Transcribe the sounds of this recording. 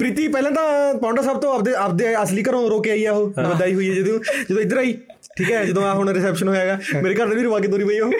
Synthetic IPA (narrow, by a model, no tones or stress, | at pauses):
pɾiːt̪iːpɛːlãːt̪ãːpãːɳɖəsaːbt̪õːəpd̪eːəp̚d̪eːəsliːkəɾõːɾoːkeaːiːɛːɦoːbəd̪aːiːɦoiːɛːd͡ʒəd̪eũːd͡ʒəd̪õːɪd̪əɾaːiː | ʈʰiːkɦɛːd͡ʒəd̪õːaːɦonaɾɪsɛːpʃənɦoːeːɡaːmeːɾeːkəɾnaːeːɾiʋaːk̬eːd̪oːɾiːbaiːoː